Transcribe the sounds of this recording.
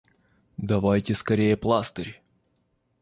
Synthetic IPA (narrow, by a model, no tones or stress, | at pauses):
d̪ɐvajtʲɪskɐɾʲejəplˠast̪əɾʲ